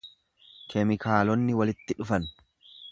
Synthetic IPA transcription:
kʰɛmɪkʰaːlɔnːɪwɐlɪt̪ːɪᶑʊfɐn

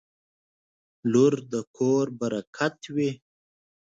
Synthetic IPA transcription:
luɾd̪əkʰoɾbaɾakʰat̪wi

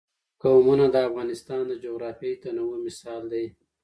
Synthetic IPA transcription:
kawmunad̪əafɣɑnɪst̪ɑnd̪əd͡ʒoɣɾɑfjejt̪anawomɪsɑld̪aj

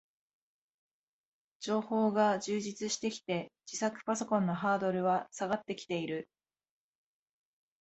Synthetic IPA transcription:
d͡ʑo̞ːho̞ːɡaʑɨːʑit͡sɨɕi̥t̪e̞kʲi̥t̪e̞d͡ʑ̥isakɯ̟̥paso̞kõ̞nːo̞ɦaːd̪o̞ɾɯ̟βasaɡat̪ːe̞kʲi̥t̪e̞iɾɯ̟

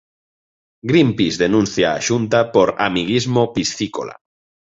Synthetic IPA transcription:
ɡɾimpizðenũn̟θja̰ːʃunt̪apoɾamiɣizmopisθiko̰la̰

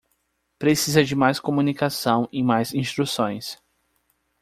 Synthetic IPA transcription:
pɾesizɐd͡ʒɪmajskomunikasɐ̃w̃ẽmajzĩst̪ɾusõj̃s

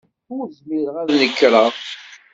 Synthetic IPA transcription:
ʊɾzmiɾəʁæðnəkːɾˤɑ

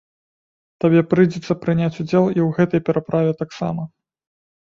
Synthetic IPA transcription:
t̪abʲɛpɾɨjd͡zʲɛt̪sɐpɾɨnʲat͡sʲud͡zʲɛlˠiwɣɛt̪ɐjpʲɛɾapɾʔavʲɛt̪aksa̰mɐ

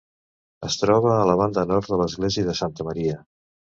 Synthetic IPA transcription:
əst̪ɾɔβəːləβ̞and̪ənɔɾt̪ðələzɣleziəðəsant̪əməɾiə

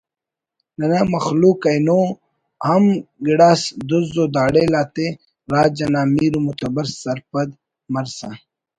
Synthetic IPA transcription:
nɐnamɐxluːkɐjno | hɐmɡiɽaːsd̪uzod̪aːɽelaːt̪e | ɾaːd͡ʑɐnaːmiːɾumut̪ɐbɐɾssɐɾpɐd̪ | mɐɾsa

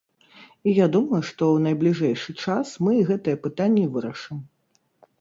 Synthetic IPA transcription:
ijad̪umɐjuʂt̪ɔwnɐjblʲiʐɛjʂɨt͡ʂasmɨɣɛt̪ɨjɛpɨt̪anʲːivɨɾɐʂɨm

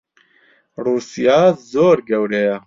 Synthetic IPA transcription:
ruːsijaːzoːɾɡɛwɾɛjɛ

